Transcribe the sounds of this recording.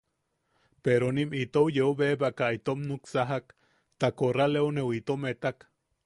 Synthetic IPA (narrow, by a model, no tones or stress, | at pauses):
peɾonimit̪owjeubebakait̪omnuksaɦak | t̪akoralewnewit̪omet̪ak